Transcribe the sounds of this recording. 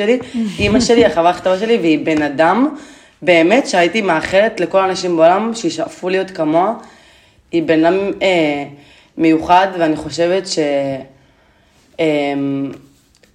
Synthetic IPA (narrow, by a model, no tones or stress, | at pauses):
eliimaʃe̞liaχavaχt̪avaʃe̞liveibe̞nadam | be̞ːme̞tʃeajitimeaχe̞let̪leko̞laːnaʃimbeo̞lamʃeiʃaʔfulijo̞tkamo̞a | ibenadameː | e̞juχadveaniχo̞ʃe̞vetʃe̞ | em